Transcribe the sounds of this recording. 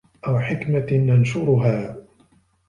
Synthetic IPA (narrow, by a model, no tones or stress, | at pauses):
ʔawħɪkmananʃʊɾʊɦaː